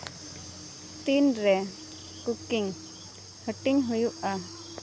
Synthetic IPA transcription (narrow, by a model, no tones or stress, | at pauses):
t̪inɾɛ | kukiŋ | həʈiŋɦujuʔa